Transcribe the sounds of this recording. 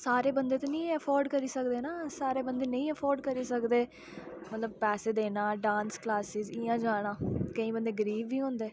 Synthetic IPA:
saːɾeːbənd̪eːt̪oːnĩːəpʰɔːɾɖkəɾiːsəkd̪eːnaːsaːɾeːbənd̪eːnəĩːəpʰɔːɾɖkəɾiːsəkd̪eː | mət̪ləb̚pɛːseːd̪eːnãːɖãːnsklaːsɪzɪãːd͡ʒaːɽ̃ãːkəĩːbənd̪eːɡəɾiːʋːiːɦõːnd̪eː

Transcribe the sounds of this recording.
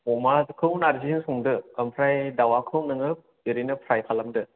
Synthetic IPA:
ɔmazɯkʰɯwnaɾzinsɔŋdɯkampʰɾajdawakʰɯwnɯŋɯp̚ | iɾinɯpʰɾajpʰalamdɯ

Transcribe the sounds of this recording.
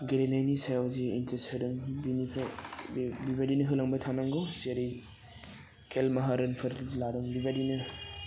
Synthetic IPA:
ɡeɾenajnisajawziintesɯɾɯŋbinipʰ | bibadinɯɦɯlaŋbajtʰanaŋɡɔwzeɾi | kʰelmɐɦaɾɯnpʰɯɾlaɾɯŋbibadinɯ

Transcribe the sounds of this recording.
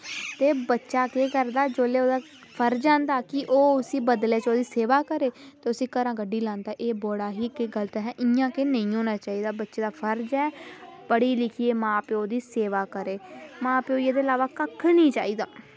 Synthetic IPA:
t̪eːbətːʃaːkeːkəɾd̪aːd͡ʒoːleːoːd̪aː | pʰəɾd͡ʒãːnd̪aːkɪʔoːʊsĩːbəd̪leːt͡ʃoːd̪iːseːʋaːkəɾeːt̪eːʊsĩːkəɾãːɡəɖiːlãːnd̪aːʔeːboːɽaːɦiːkeɡəlt̪ːɦɛːʔɪjãːkenəĩːɦoːnaːt͡ʃaːiːd̪aːbətːʃeːd̪aːpʰəɾd͡ʒɛːpəɽiːlɪkʰijeːmãːpeːoːd̪iːseːʋaːkəɾeːmãːpeːoːieːd̪eːəlaːʋaːkəkʰːnĩːt͡ʃa̰ːiːd̪aː

